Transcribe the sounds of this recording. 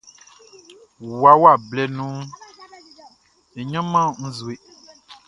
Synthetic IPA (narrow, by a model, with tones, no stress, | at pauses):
wwa˨wa˦˨blɛ˨nũ˦ | e˨ɲã˦mã˦˨ŋ̩̃˦zu˨e˨